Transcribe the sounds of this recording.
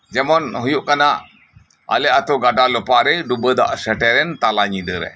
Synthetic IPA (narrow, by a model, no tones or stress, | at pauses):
d͡ʒɛmɔnɦujuʔkanaʔ | a̰leʔat̪oɡaɖalupaɾeɖubəd̪a̰ʔsɛʈɛɾɛnt̪alaɲidəɾɛ̰